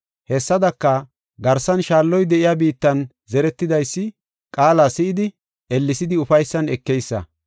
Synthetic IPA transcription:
hɛsːɐd̪ɐkːɐ | ɡɐɾsɐnʃaːlːɔjd̪ɛʔɪjaːbiːt̪ːɐn | zɛɾɛt̪ːɪd̪ɐjsːɪ | kʼaːlaːsɪʔɪd̪ɪ | ɛlːɪsɪd̪ɪʊfɐjsːɐnɛkːɛjsːɐ̰

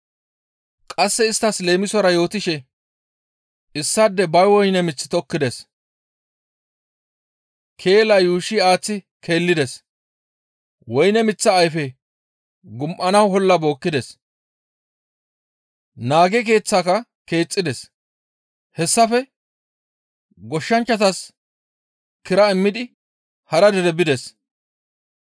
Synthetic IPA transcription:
kʼɐsːɛɪst̪ːɐsle̞ːmɪsɔɾɐjo̞ːt̪ɪʃɛ | ɪsːɐd̪ːɛbɐjwɔjnɛmɪt͡sːɪ̥t̪ɔkːɪd̪ɛs | kʰe̞ːlɐjuːʃɪaːt͡sːɪ | kʰe̞ːlːɪd̪ɛs | wɔjnɛmɪt͡sːɐːjfɛ | ɡʊmʔɐnɐwɦɔlːɐbo̞ːkːɪd̪ɛs | naːɡɛk̬e̞ːt͡sːaːkɐ | ke̞ːt͡sʼːɪd̪ɛs | hɛsːɐfɛ | ɡɔʃːɐnt͡ʃːɐt̪ɐs | kɪɾɐɪmːɪd̪ɪ | hɐɾɐd̪ɛɾɛbɪd̪ɛs

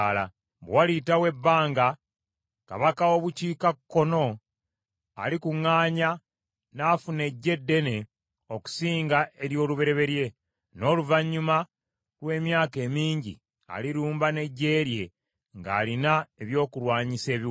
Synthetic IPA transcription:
la̰ | bwalitawe̞bːaːŋɡa | ka̰βakao̞βuciːkakkːo̞no̞ | a̰likuŋːaːɲa | naːfune̞ɟːe̞dːe̞ne̞ | o̞ku̥siːŋɡaʔe̞ɾjo̞ːluβe̞ɾe̞βe̞ɾje̞ | no̞ːluvaɲːuma | lwe̞ːmjaːke̞ːmiːɲɟḭ | a̰liɾuːmbane̞ɟe̞ːɾje̞ | ŋɡa̰ːlinae̞βjo̞ːkulwaːɲise̞ːβi

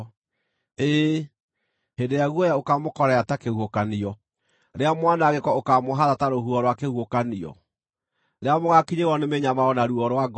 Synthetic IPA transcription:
eː | hendejaɣuɔjaokamokɔɾɛatakehuokaniɔ | ɾeamwanaɣekɔokamoɦaðataɾoɦuɔɾwakehuokaniɔ̰ | ɾeamoɣakiɲeɣɔnemeɲamaɔnaɾuɔɾwaɡ

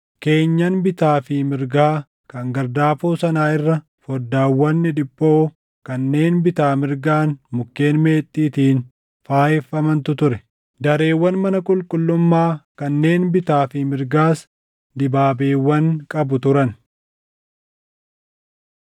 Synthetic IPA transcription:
ke̞ːɲːɐnbɪt̪aːfɪmɪɾɡaː | kɐŋɡɐɾd̪aːfoːsɐnaːɪrːɐ | fɔd̪ːaːwːɐnːɪᶑ̪ɪbʼːo̞ː | kɐnːe̞ːnbɪt̪aːmɪɾɡaːnmʊkːe̞ːnme̞ːt̪ʼːiːt̪iːn | faːjɛfːɐmɐnt̪ʊt̪ʊɾɛ | d̪ɐɾe̞ːwːɐnmɐnɐkʼʊlkʼʊlːʊmːaːkɐnːe̞ːnbɪt̪aːfɪmɪɾɡaːs | d̪ɪbaːbeːwːɐŋkʼɐbʊt̪ʊɾɐn

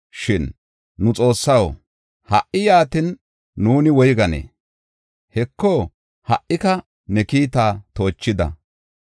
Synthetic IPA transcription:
ʃɪnː | ʊt͡sʼo̞ːsːɐw | hɐ̰ʔʔɪjaːt̪ɪnː | uːnɪwɔjɡɐnḛː | hɛkːo | hɐʔːɪkɐ | nɛkiːt̪aːt̪o̞ːt͡ʃːɪd̪ɐ̰

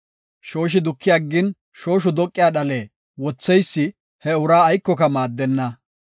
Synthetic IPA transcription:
ʃo̞ːʃ̬ɪd̪ʊkːɪjɐɡːɪn | ʃo̞ːʃ̬ʊd̪ɔkʼːɪjaːɗɐleː | wɔt͡sːɛjsːɪ | hɛʊɾaːjkːɔkɐmaːd̪ːɛnːɐ

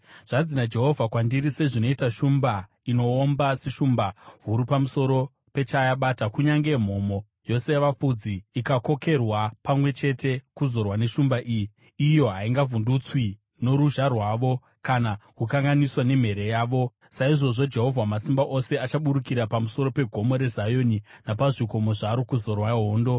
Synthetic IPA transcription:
ʐ̥ad͡zinad͡ʒe̞ɦo̞vʱakwandiɾise̞ʐino̞itaʃumba | ino̞ːmbaseʃumbaɦuɾupamuso̞ɾo̞ | pe̞t͡ʃajaɓatakuɲaŋɡem̤o̞mo̞ | jo̞se̞jaʋap͡fud͡ziːkako̞ke̞rwapamwe̞t͡ʃe̞tʰe̞kuzo̞rwane̞ʃumbaʔijiː | jo̞ɦaiŋɡavundut͡swi | no̞ɾuʒarwaːʋo̞ | kanakukaŋɡaniswane̞m̤e̞ɾe̞jaːʋo̞ | saiʐo̞ʐo̞d͡ʒe̞ɦo̞vʱwamasimbaʔo̞se̞at͡ʃaɓuɾukiɾapamuso̞ɾo̞pe̞ɡʱo̞mo̞ɾe̞zajo̞ninapaʐiko̞moʐaɾokuzo̞rwaɦoːndo̞

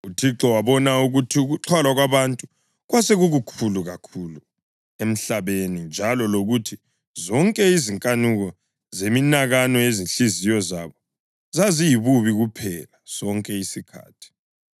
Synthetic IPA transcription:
utʰiǁɔwaβɔnauɣutʰiuɣuǁʰwalwaɣwaβantʼu | ɣwaseɣuɣukʰuluɣakʰuːlu | em̩ɬaβenind͡ʒʱalɔloɣutʰi | zɔŋkʼɛiziŋkʼanuɣɔ | zeminaɣanɔeziɬizijɔza̰βɔ | zazijiβuβiɣupʰɛlaz̥ɔŋkʼɛisikʰa̰ːtʰi̥

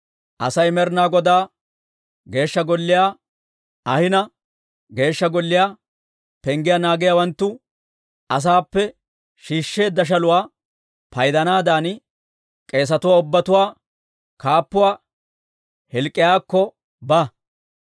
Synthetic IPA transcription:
ʔɐ̰sɐjmɛɾnaːɡɔd̪aː | ɡe̞ːʃːɐɡɔlːɪjaː | ɐhɪnɐ | ɡe̞ːʃːɐɡɔlːɪjaː | pɛŋɡɪjaːnaːɡɪjawɐnt̪ːʊ | ɐs̬aːpːɛ | ʃiːʃːe̞ːd̪ːɐʃ̬ɐlʊwaː | pɐjd̪ɐnaːd̪aːn | kʼe̞ːs̬ɐt̪ʊwaːʊbːɐt̪ʊwaː | kaːpːʊwaː | hɛlkʼːɪjaːkːɔ | bɐ

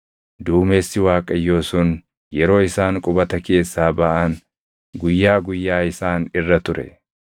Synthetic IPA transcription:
d̪uːmeːsːɪwaːkʼɐjːo̞ːsuːn | jɛɾo̞ːɪsaːŋkʼʊbɐt̪ɐke̞ːsːaːbɐʔɐn | ɡʊjːaːɡʊjːaːɪsaːnɪrːɐt̪ʊɾɛ̰

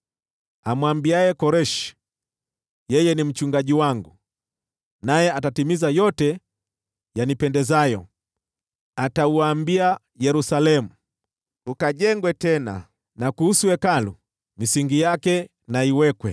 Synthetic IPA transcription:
amwambiajɛkɔɾɛʃi̥ | jɛjɛnim̩t͡ʃuŋɡaʄiwaŋɡu | najɛatatimizajɔtɛ | janipɛndɛzajɔ̰ | atauaːmbia | jɛɾusalɛmu | ukaʄɛŋɡwɛtɛna̰ | nakuhusuɛkalṵ | misiŋɡijakɛ | naiwɛkwɛ̰

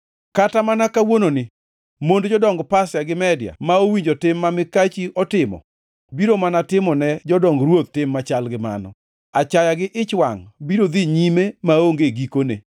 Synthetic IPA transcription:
katamanakawononɪ | mondd͡ʒɔdɔŋɡpasjaɡɪmɛdja̰maowiɲd͡ʒotɪmːamɪkat͡ʃiʔɔtɪmɔ̰ | biɾomanatɪmɔnɛd͡ʒɔdɔŋɡɾwot̪̚tɪmːat͡ʃalɡɪma̰nɔ̰ | at͡ʃajaɡɪʔɪt͡ʃwaŋbiɾod̪iɲimemaoŋɡeɡikonḛ

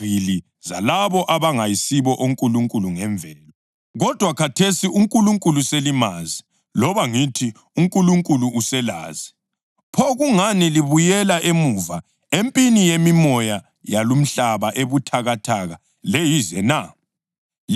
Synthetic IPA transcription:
ili | za̰laβɔʔaβaŋajisiβɔʔoŋkʼuluŋkʼuluŋɛɱvʱɛːlɔ | ɣɔd̥ʱwakʰatʰesiʔuŋkʼuluŋkʼuluselimazi | lɔβaŋitʰi | uŋkʼuluŋkʼuluʔːsɛla̰ːzi | pʰɔɣuŋaniliβujɛlaʔemuva | empʼinijemimɔja | jalum̩ɬaβaʔeβutʰaɣatʰaɣa | lejizɛna

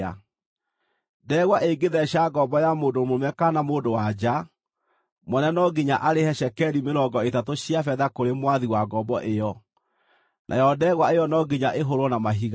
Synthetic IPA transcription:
a̰ | dɛːɣwaʔeɡeðɛɕaɡɔbɔjamoːdomomɛkanamoːdowad͡ʒa | mɔnɛnɔɡiɲaʔaɾehɛɕɛkɛɾimeɾɔɡɔetatoɕiafɛðakoɾemwaðiwaɡɔbɔʔejɔ | nʔa̰jɔdɛːɣwaejɔnɔɡiɲaʔeɦoɾwɔnamaɦiɣa

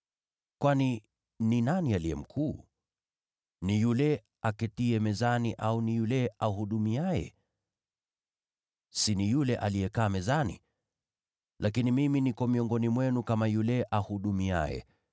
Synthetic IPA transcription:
kwani | ninanialijɛ̰m̩kʰuː | nijulɛ | akɛtiɛmɛzaniʔaunijulɛahuɗumiajɛ̰ | sinijulɛʔalijɛkaːmɛzanḭ | lʔakinimiminikɔmiɔŋɡɔnimwɛnukamajulɛʔahuɗumia̰jɛ̰

